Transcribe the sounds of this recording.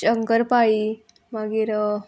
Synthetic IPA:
əŋkəɾpai | maɡiːɾ

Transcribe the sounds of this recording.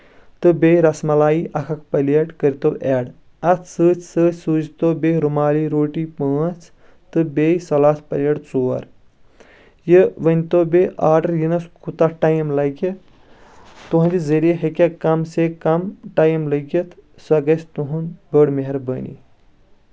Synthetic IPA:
t̪ɨbejɾɐsmɐlaːjiʔɐkʰɐkpɐleʈkəɾit̪owʔeːɽ | ɐt̪ʰsɨːt͡ʃʰsəːt͡ʃʰʲsɨːd͡ʒt̪obeɾumaːliɾoːʈipəːt͡sʰ | t̪ɨbeːjsɐlaːt̪ʰpɐlʲeʈt͡soːɐ̰ɾ | jɨʋənʲt̪oːbeʔaːɖɐɾjinɐskʰut̪ɐʈajmlɐɡi | t̪uɦɐnd̪izəɾijeɦekʲɐkɐmsekɐmʈaːjmlɐɡɐt̪ʰsɐɡɐsʰʲt̪uɦunbəːɽmeɦɐɾbənḭ

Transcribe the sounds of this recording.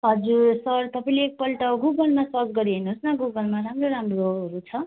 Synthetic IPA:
ɦʌd͡zuɾsʌrt̪ʌpaĩleːk̚pʌlʈʌɡuɡʌlmasʌd͡zɡʌɾiɦʌnuosnʌɡuɡʌlmaɾamroɾamroɦʌɾut͡sʰʌ

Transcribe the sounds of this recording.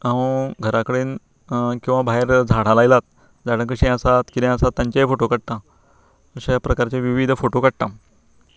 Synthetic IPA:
aəɡʱəɾakəɽiːn | kĩw̃ʋabaɦeɾd͡zʱaɽ̤alajlat̪̚ | d͡zaɽə̃kəɕĩəsat̪kid̪ẽəsat̪ːjaɲt͡ɕaɦefoʈokəɽt̪ã | əɕapɾəkaɾt͡ɕaʋiʋid̪ʱfoʈokəɽt̪ã

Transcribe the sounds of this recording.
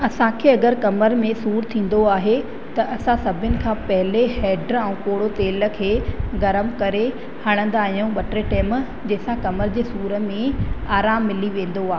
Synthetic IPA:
ɐsãkʰeːɐɡəɾkɐməɾmẽsuːɾt̪ʰĩːn̆d̪oaːɦe | t̪ɐʔɐsãsɐbʱɪʊnɪ̆kʰãːpɐɦɪleɦɛːɖɾɛ̃ũːkoːɽot̪eːlə̆kʰeːɡɐɾəmkɐɾe | hɐɽ̃ə̃nd̪aːɦijũɓɐʈɾeʈɛːm | d͡ʑeːsãkɐməɾd͡ʑeːsuːɾə̆mẽaːɾaːmːɪliʋẽːn̆d̪oaːɦe

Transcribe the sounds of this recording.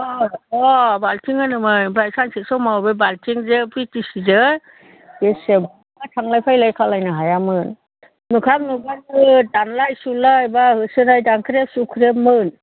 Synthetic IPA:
ɔɔbaltʰiŋɯnɯmɯjbɾajsansisɔwmawbebaltʰiŋzepitisizɯ | ɡeseba | ŋatʰaŋlajpʰajlajkʰalajnɯɦajamɯn | nukʰamnuɡanɯdanlajsulajbahɯsɯɾajdaŋkʰɯɾesukʰɾep̚mɯn

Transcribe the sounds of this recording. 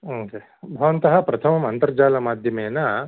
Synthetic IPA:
oːke | bʱɐʋɐnt̪ɐɦɐpɾɐt̪ʰɐmɐmɐnt̪ɐɾd͡ʒaːlɐmaːd̪ʱjɐmeːna

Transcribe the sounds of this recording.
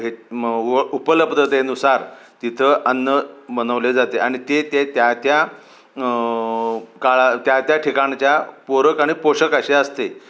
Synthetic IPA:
ɦe | upələbd̪ət̪enusaɾ | t̪it̪ʰəʔənːəbəñəʋled͡zat̪eaɽ̃it̪et̪et̪jat̪ja | kaɭat̪jat̪jaʈʰikãɳt͡ɕjapoɾəkaɽ̃ipoɕəkəɕeəst̪e

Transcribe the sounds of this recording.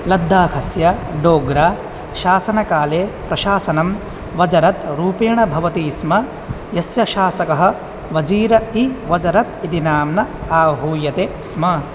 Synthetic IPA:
lɐd̪ʱːaːkʰɐsjɐɖoːɡɾaː | ʃaːsɐnɐkaːleːpɾɐʃaːsɐnɐm | ʋɐd͡ʒɐɾɐt̪ɾuːpeːɳɐbʱɐʋɐt̪iːsmɐ | jɐsjɐʃaːsɐkɐɦɐ̆ | ʋɐd͡ʒiːɾɐiʋɐd͡ʒɐɾɐt̪it̪inaːmnɐaːɦuːjɐt̪eːsmɐ

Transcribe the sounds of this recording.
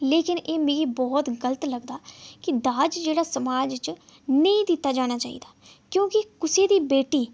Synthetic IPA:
leːkɪneːmẽːɡiːbɔːt̪ɡələt̪ləɡd̪aːkɪd̪aːd͡ʒd͡ʒeːɽaːsəmaːd͡ʒt͡ʃ | nə̃ĩːd̪ɪt̪ːaːd͡ʒaːɽ̃aːt͡ʃaːḭːd̪aː | kjõːkɪkʊseːd̪iːbeːʈiː

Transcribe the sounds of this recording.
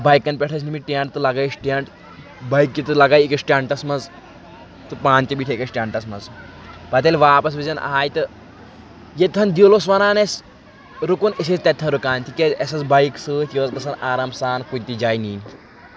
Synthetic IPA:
bɐjkːɐnpʲeʈʰɐs̬nimiʈeɳʈt̪ɨlɐɡajsʈeɳʈ | bɐjk̚ːit̪ɨlɐɡaːjikɐsʈʲaːɳʈɐsmɐz | t̪ɨpaːnʲt̪ibiʈʰʲekɐsʈʲaːɳʈɐsmɐz | pɐt̪̬elʲʋaːpɐs̬bizɐnʔa̰ːjt̪ɨ | jet̪ʰɐnd̪iwlos̬ʋɐnaːnes | ɾukunəs̬est̪ɐt̪ʰːɐnɾukaːnʲt̪ʰikeesɐt͡sbɐjksɨːt̪ʲiʋɐzɡɐsʰɐnaːɾaːmsaːnkunʲt̪id͡ʒaːjniːnʲ

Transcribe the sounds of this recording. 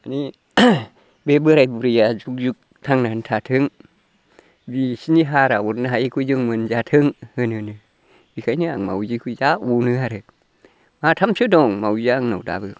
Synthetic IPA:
ani | bebɯɾajbuɾijazuk̚zuk̚tʰaŋnahntʰatʰɯŋ | bisiniɦaɾawuɾnaɦajikʰuzɯŋmɯnzatʰɯŋhɯnɯnɯ | bikʰajnɯaŋma̰wzikʰuzaunɯɦaɾɯ | matʰamsɯdɔŋmawzaŋna̰wda̰bɯ

